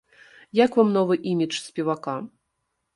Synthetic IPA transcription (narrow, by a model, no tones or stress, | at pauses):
jakvamnɔvɨʔimʲit͡ʂsʲpʲɛvaka